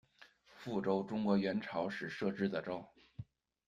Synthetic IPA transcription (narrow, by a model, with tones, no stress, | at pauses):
fu˥˩ʈ͡ʂo˥ʊʈ͡ʂʊ˥ŋkwɔ˧˥ɥɛ˧˥nʈ͡ʂʰɑ˧˥ʊʂɻ̩˨˩ʂɤ˥˩ʈ͡ʂɻ̩˥d̪ə˨ʈ͡ʂo˥ʊ